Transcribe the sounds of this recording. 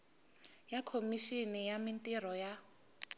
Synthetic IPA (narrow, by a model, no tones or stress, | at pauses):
jakʰomiʃinɛjamintʼiɾɔja